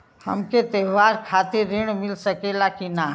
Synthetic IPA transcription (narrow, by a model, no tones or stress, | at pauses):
hə̰mket̪eːʋaːɾkʰaːt̪iɾɪɳ̃mɪlsəkeːlakina